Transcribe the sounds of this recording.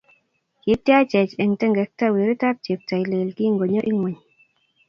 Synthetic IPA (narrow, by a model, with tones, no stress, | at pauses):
ki˨˦tja˦t͡ʃɛ˨t͡ʃɛ˨ŋtɛ˦ŋɡɛ˨k̚ta˦we˨ɾi˦ta˦p̚t͡ʃe˨p̚ta˨jle˨lki˦ŋɡo˨ɲɔ˦ʔi˦ŋwɛ˨ɲ